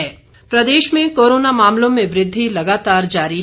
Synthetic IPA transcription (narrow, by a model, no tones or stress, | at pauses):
ɛː | pɾɐd̪eːʃmẽkoːɾoːnamaːmlõmẽʋɾɪd̪ʱːilɐɡaːt̪aːɾd͡ʒaːɾi